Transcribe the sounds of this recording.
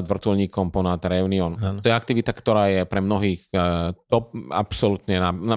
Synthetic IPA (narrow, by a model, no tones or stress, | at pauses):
d̪ʋr̩t̪ɔlɲiːkɔmpɔnat̪ɾɛuniɔnt̪ɔjɛak̚t̪iʋit̪akt̪ɔɾaːjɛpɾɛmnɔɦiːxt̪ɔp̚a̰psɔlut̪ɲɛnaa